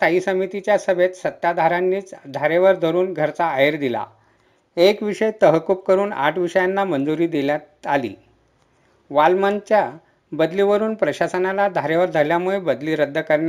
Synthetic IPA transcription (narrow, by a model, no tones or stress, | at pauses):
saisəmit̪it͡ɕjasəbʱet̪sət̪ːad̪ʱaɾanːiːt͡sd̪ʱaɾeʋəɾd̪ʱəɾuːnɡʱəɾt͡saːjeɾd̪ila̰ | ekʋiʂəjt̪əɦkup̚kəɾuːna̰ʈʰʋiʂəjanːamənd͡zuɾiːd̪iljat̪alḭː | ʋalmant͡ɕja | bəd̪liːʋəɾuːnpɾəɕasənalad̪ʱaɾeʋəɾd̪ʱəljamuɭebəd̪liːɾəd̪ʱːəkəɾɳja